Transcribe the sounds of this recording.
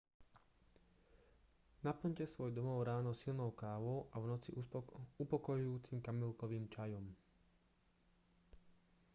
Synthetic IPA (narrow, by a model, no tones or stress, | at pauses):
napl̩ɲcɛsʋɔjd̪ɔmɔʊɾaːnɔsilnɔʊkaːʋɔʊʔaʋnɔt͡siupɔkɔjujuːt͡simkamɛlkɔʋiːmt͡ʃajɔm